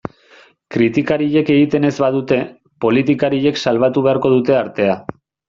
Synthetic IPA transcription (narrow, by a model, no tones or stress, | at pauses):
kɾit̪ikaɾiʎe̞ke̞ɣit̪e̞ne̞zβaðut̪e̞ | po̞lit̪ikaɾiʎe̞ksalβ̞at̪uβe̞aɾko̞ð̞ut̪e̞aɾt̪e̞a